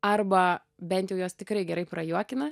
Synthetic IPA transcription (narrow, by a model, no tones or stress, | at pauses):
ɐrbɐ | bʲɛnʲt̪jɛʊjoːst̪ʲɪkɾɐɪɡʲɛɾɐɪpɾɐjuɔkʲɪnɐ